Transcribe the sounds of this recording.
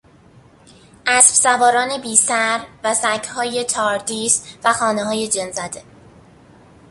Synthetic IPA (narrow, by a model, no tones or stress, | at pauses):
ʔæsb̥sævɒːɾɒːne̞biːsæɾvæsæcʰhɒːje̞t̪ʰɒːɾd̪ʰiːsvæxɒːneɦɒːje̞d͡ʒenzæd̪e̞